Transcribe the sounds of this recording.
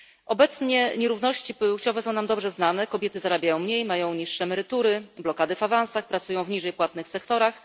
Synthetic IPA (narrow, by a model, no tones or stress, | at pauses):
ʔɔbɛt̪sɲɛɲɛɾuvn̪ɔɕt͡ɕipɘwt͡ɕɔvɛsɔ̃w̃namd̪ɔbʐɛznanɛkɔbʲjɛt̪ɘzaɾabʲjajɔ̃w̃mɲejmajɔ̃w̃ɲiʂːɛmɛɾɘt̪uɾɘblɔkad̪ɘfavãñsaxpɾat̪sujɔ̃w̃vɲiʐɛjpwat̪̚nɘxsɛkt̪ɔɾax